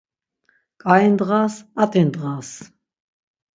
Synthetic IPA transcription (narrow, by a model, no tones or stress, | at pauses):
kʼaind̪ʁaːsat̪ʼind̪ʁas